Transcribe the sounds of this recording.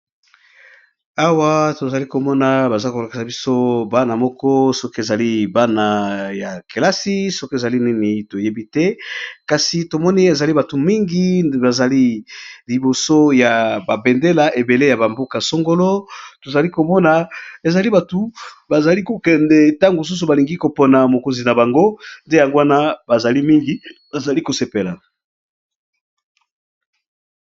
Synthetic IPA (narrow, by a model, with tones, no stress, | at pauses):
a˦wa˦to˨za˨li˦ko˨mɔ˦na˨ba˨za˦ko˨la˨ki˨sa˨bi˦so˦ba˦na˨mɔ˦kɔ˦sɔ˦ke˨za˨li˦ba˦na˨ja˨ke˨la˦si˦sɔ˦ko˨e˨za˨li˦ni˦ni˨to˨je˦bi˦tɛ˦ka˨si˨to˨mɔ˦ni˦e˨za˨li˦ba˨tu˨mi˦ŋɡi˦ba˨za˨li˦li˨bo˨so˦ja˨ba˨bɛ˨nde˦la˨ʔe˨be˨le˦ja˨ba˨mbo˦ka˨so˦ŋɡo˦lo˦to˨za˨li˦ko˨mɔ˦na˨e˨za˨li˦ba˨tu˨ba˨za˨li˦ko˨kɛ˨ndɛ˨ta˦ŋɡo˨s̬u˦su˨ba˨li˨ŋɡi˦ko˨po˨na˨mo˨ko˨nzi˨na˨ba˨ŋɡo˦nde˦ja˨ŋɡo˦a˦na˦ba˨za˨li˦mi˦ŋɡi˨b̥a˨za˨li˦ko˨se˨pe˨la˨